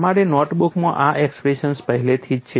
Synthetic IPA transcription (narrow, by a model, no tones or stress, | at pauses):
maɾenɔʈbukmãʔaʔekspɾeʃənspəɦɛlet̪ʰid͡ʒt͡ʃʰe